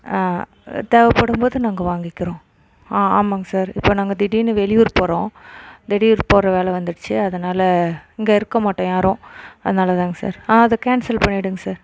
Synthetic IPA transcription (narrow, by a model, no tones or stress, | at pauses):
aː | t̪eːʋɐpːɐɽɯmboːðɯnaːŋɡɐʋaːŋɡɪkːɪɾõː | aːa̰ːmaːŋɡɐsaːɾɪ̰pːoːnaːŋɡɐd̪ɪɽinɯʋɛlɪjʋʊɾpoːɾõːd̪ɪɽɪjʊɾpoːɾɐʋeːlɛʋɐnd̪ɯʈt͡ʃːɯɐðɐnaːlɐɪŋɡeɪɾɯkːɐmaːʈːõːjaːɾõɐðɐnaːlɐt̪aːŋɡɐsa̰ːɾaːɐðɐkaːnsɐlpɐɳːɪɽɯŋɡɐsaːɾ